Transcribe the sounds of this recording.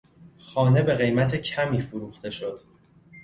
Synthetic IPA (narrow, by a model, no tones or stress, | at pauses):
xɒːne̞be̞ɣe̞jmæt̪ʰe̞cʰæmiːfoɾuːxt̪e̞ʃo̞d̪̥